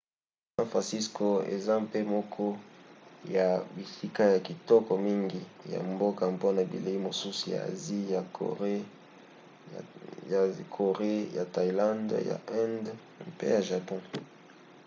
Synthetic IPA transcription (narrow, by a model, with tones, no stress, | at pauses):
sã˦fʁã˨si˦sko˨ḛ˨za˦mpe˦mɔ˦kʰɔ˦ | ja˨bi˨si˦ka˦ja˨ki˨tɔ˦kɔ˨mi˦ŋɡi˨ja̰˨mbo˦ka˨mpo˦na˨bḭ˨le˨i˦mo˨su˦su˨ja̰˨a̰˨zi˦ja˨ | kʰo˨ʁe˦ja̰˨ta˨i˨lã˦ndja̰˨ɛ̃˦nd | mpḛ˦ja˨ʒa˨pɔ̃˦